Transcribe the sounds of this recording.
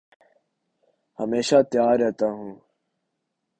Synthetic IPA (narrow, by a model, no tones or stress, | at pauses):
həmeːʃaːt̪jaːɾɛɦt̪aːɦũː